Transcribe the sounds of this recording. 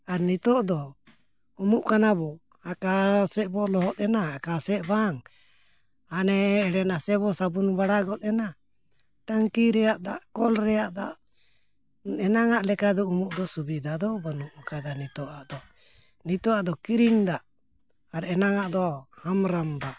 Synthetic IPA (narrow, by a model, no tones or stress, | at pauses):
aɾnit̪ɔʔd̪ɔ | umuʔkanabɔ | akasɛʔbɔlɔɦɔt̪̚ˀɛnaːkasɛʔbaŋ | anɛːɽɛnasɛβɔsabunbaɽaɡɔt̪̚ˀɛna | ʈaŋkiɾɛjaʔd̪aʔkɔlɾɛjaʔd̪a̰ʔ | ɛnaŋaʔlɛkad̪ɔumuʔd̪ɔsubid̪ad̪ɔbanuʔkad̪anit̪ɔʔaʔd̪ɔ | nit̪ɔaʔd̪ɔkiɾiŋd̪aʔ | aɾɛnaŋaʔd̪ɔhamɾambaʔ